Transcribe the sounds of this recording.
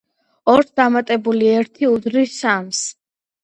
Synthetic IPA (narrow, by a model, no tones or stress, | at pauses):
ɔɾsd̪amat̪ʼɛbuliɛɾt̪ʰiud̪ɾisams